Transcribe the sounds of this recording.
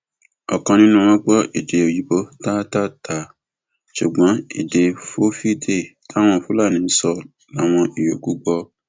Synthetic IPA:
ɔ˨kã˧nĩ˦nũ˦w̃ɔ̃˦ɡ͡bɔ˦ʔi˨de˧o˨ji˨˦bo˦ta˦ta˦ta˨ | ʃu˨ɡ͡bɔ̃˨˦i˦˨de˧fo˦fi˦de˦˨ta˦w̃ɔ̃˧˨fu˨˦la˦˨nĩ˨˦sɔ˧ | la˦˨w̃ɔ̃˧ʔi˨jo˨ku˦ɡ͡bɔ˧

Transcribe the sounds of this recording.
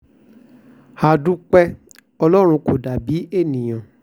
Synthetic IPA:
ha˨dũ˨˦k͡pɛ˦ | ɔ˧lɔ˦ɾ̃ũ˧ko˨da˨bi˨˦e˦˨nĩ˨j̃ã˨

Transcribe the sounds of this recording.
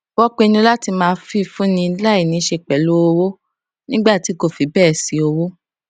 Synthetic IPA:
wɔ˦k͡pe˦˧nũ˧˦la˦ti˧mãː˧fi˦˧fũ˦nĩ˧la˦i˦˨nĩ˨˦ʃe˧k͡pɛ˨lo˦o˧wo˦ | nĩ˦ɡ͡ba˦˨ti˨˦ko˦˨fi˨˦bɛː˦˨si˨˧o˧wo˦

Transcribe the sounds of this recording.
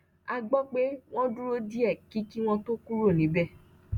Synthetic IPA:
a˧ɡ͡bɔ˦k͡pe˦w̃ɔ̃˦du˦ɾo˦di˦ɛ˦˨ki˨˦ki˦w̃ɔ̃˦to˦kũ˦ɾo˦˨nĩ˨˦bɛ˦˨

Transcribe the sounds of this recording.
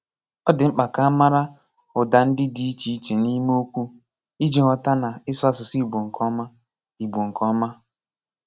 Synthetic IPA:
ɔ˦dɪ˨ŋ͡m̩˦k͡pa˨ka˦a˦ma˦ɾa˦ | ʊ˨da˨n̩˦dɪ˦di˦i˦t͡ʃi˨i˦t͡ʃe˨ni˦m˦o˦kʷu˦ | i˦d͡ʒi˨ŋɔ˨ta˦na˨ɪ˦sʊ˦a˦sʊ˨si˦i˦˨ɡ͡bo˨ŋ̩˨kʰɔ˦ma˦ | i˨ɡ͡bo˨ŋ̩˨kʰɔ˦ma˦

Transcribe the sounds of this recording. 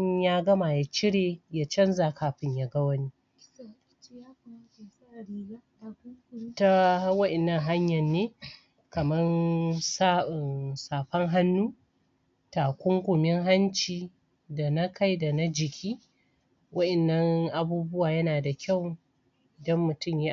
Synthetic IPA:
jaː˦ɡɐ˦ma˨ja˨t͡ʃɪ˦ɽeː˨ja˦t͡ʃɐ˦nza˨kaː˨ɸɪ˦ɲja˨ɡɐ˦wɐ˦niː˦ | kːta˦wɐ˦ʔɛ˨nːɐ˨ŋɦa˦ɲjɐ˨nːeː˦ | kɐ˨mɐ˦nsa˦ɪ˨nsaː˨ɸɐ˦ŋɦa˦nːuː˦ | taː˨kʷʊ˦ŋkʷʊ˨mɪ˦ŋɦa˦nt͡ʃiː˨ | da˨nɐ˦kʰa˦jda˨na˦d͡ʒɪ˨kʲʰiː˦ | wɐ˦ʔɛ˨nːɐ˦ŋʔa˨buː˦bʊ˦waː˨jɐ˦naː˨da˨kʲʰa˦˨w | ʔɪ˨dɐ˦mːʊ˨tʊ˦˨mji˦

